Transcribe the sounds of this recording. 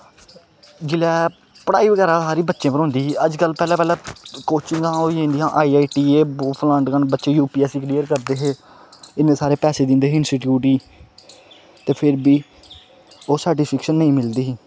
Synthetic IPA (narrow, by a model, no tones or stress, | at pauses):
d͡ʒɪlɛː | pəɽa̰ːiːʋəɡɛːɾaːsaːɾiːbətːʃẽːpəɾoʊ̃nd̪iːʔəd͡ʒkəlpɛːlɛːpɛːlɛːkoːt͡ʃɪ̃ŋɡãːoːiẽːnd̪iːɦãːʔaːiːaːiːʈiːeːbːpʰlãːɳʈkəɳbətːʃẽːjuːpiːɛːsiːkɾiːəɾkəɾd̪eːɦeː | ɪnːẽːsaːɾeːpɛːseːd̪ɪ̃nd̪eːɦɪnsiːʈjuːʈiː | t̪eːpʰɪɾbiː | oːsaːɖiːpʰɪkʃənːəĩːmɪld̪iːɦː